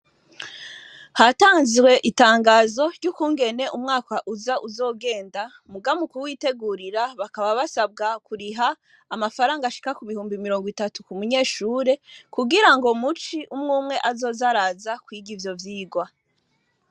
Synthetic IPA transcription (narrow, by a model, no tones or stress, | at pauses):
hataːnziwe̞ʔitaːŋɡaːzo̞ɾɟukuːŋɡe̞ne̞ʔumŋaːkaʔuzaʔuzo̞ːɡe̞ːnda | muɡamukuwiːte̞ɡuɾiɾaβakaβaβasab̚ɡakuɾiɦaː | mafaɾaːŋɡaʃi̥kakuβihuːmbimiɾo̞ːŋɡwitatukumuɲe̞ːʃuːɾe̞kuɡiɾaŋɡo̞mut͡ʃiʔumŋuːmŋe̞ʔazo̞ːzaɾazakwiːɡivjo̞vjiːɡwa